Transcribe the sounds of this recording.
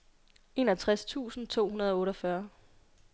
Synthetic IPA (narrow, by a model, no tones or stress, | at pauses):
e̝nɒt͡sʰʁast͡sʰṵːsn̩t͡sʰo̝̰ːhunɐð̞ˠɒ̽ɔ̽ːɾɒfɶɐ